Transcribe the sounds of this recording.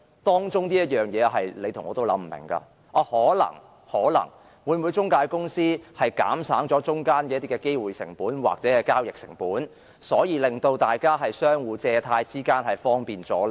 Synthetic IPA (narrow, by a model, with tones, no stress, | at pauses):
t̪ɔː˥ŋt͡ʃʊ˥ŋniː˥jɐ˥t̚jœː˨˩ŋjɛː˨˧ɦɐ˨jle˨˧jt̪ʰʊ˨˩ŋɔː˨˧t̪o˥wlɐ̰˨˥m̩˨˩mɪ̰˨˩ŋka̰ː˧ | ɔ˨˧hɔː˨˥lɐ̰˨˩ŋ | hɔː˨˥lɐ̰˨˩ŋ | wuː˨˧jmuː˨˧jt͡sʊ˥ŋkaː˧jkʊ˥ŋsiː˥hɐ˨˩jka̰ː˨˥msa̰ː˨˥ŋt͡sɔː˨˥t͡ʃʊ˥ŋkaː˥nkɛ˧˦ɐ˥t̪i˥kɛ˧ke˥jwuː˨jsɪ̰˨˩ŋpuː˨˥nwa̰ː˨˩k̚t͡sɛː˨˥hɐ˨jkaː˥wjɪ˨k̚sɪ˨˩ŋpuː˨˥n | sɔː˨˥jiː˨˧lɪ˨ŋt̪o˧wt̪aː˨jkaː˥ɦɐ˨jsœː˥ŋwuː˨˧t͡sɛː˧t̪ʰaː˧jt͡siː˥kaː˥nhɐ˨jfɔː˥ŋpiː˨nt͡sɔː˨˥l